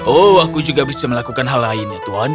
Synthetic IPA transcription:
oakud͡ʒuɡabisaməlakukanɦalaɪnjat̪uan

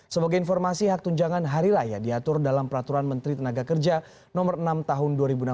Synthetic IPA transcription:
səbaɡajinfɔrmasiɦak̚t̪uɲd͡ʒaŋanɦaɾiɾaja̰diat̪ʊrdalampəɾat̪uɾanmənt̪ɾit̪ənaɡakərd͡ʒa | nɔmərənamt̪aɦʊnduaɾibuna

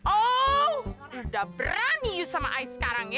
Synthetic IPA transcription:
ʔo | dabəɾanijusamaʔaisə̥kaɾaŋj

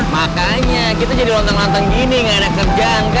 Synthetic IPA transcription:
maka | ɲakit̪ad͡ʒadilɔnt̪ɔŋlant̪aŋɡiniŋaenakːərd͡ʒaŋka

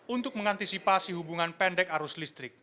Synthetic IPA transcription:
unt̪ʊk̚məŋant̪isipasiɦubuŋanpɛnɖɛkaɾʊslist̪ɾɪk̚

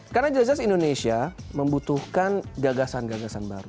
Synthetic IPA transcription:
karnad͡ʒzasindonesiaməmbut̪uhkanɡaɡasanɡaɡasanba̰ɾu

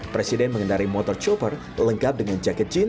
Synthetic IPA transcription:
pɾesidɛnməŋənaɾimɔt̪ɔrt͡ʃɔpər | ləŋkap̚dəŋand͡ʒakɛt̪̚d͡ʒin

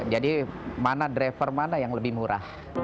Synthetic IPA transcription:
d͡ʒadimanadɾefərmanajaŋləbɪhmuɾa̰h

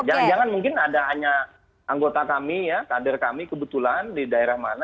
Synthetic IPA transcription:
d͡ʒad͡ʒaŋanmuŋkɪnadaɦaɲa | ʔaŋɡot̪akamijakadərkamikəbət̪ulandidaeɾahmana

